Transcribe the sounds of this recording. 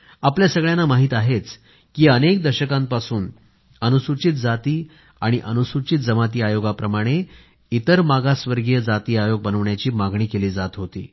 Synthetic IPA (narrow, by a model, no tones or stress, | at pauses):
apljasəɡɭjanːamaɦiːt̪aɦet͡s | kiːənek̚d̪əɾɕəkãmpasuːn | ənusut͡ɕit̪̚d͡zat̪iː | aɽ̃iʔənusut͡ɕit̪̚d͡zəmat̪̬iːajoɡapɾəmaɽ̃e | it̪əɾmaɡasʋəɾɡjəd͡zat̪iːajoɡ̚bənəʋɳjat͡ɕiːmaɡɳiːkeliːd͡zat̪ɦot̪ḭː